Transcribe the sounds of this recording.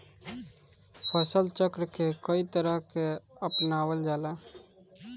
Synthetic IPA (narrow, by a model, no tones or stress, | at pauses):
pʰəsəlt͡ʃəkɾkekəit̪əɾəɦkeəpnaːwəld͡ʒaːlaː